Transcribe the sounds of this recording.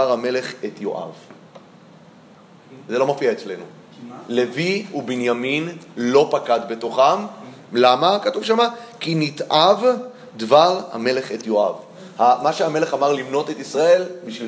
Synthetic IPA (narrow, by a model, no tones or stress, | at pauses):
aʁame̞le̞χetjo̞̰ʔa̰v | zelo̞mafiaet͡sle̞nu | le̞viubenjaminlo̞pakad̪be̞to̞χamlamakatuvʃamakinitʔav | d̪vaʁha̰me̞le̞χet̪jo̞ʔa̰v | hamaʃeame̞le̞χamaʁlimno̞t̪e̞tisʁae̞lbiʃvi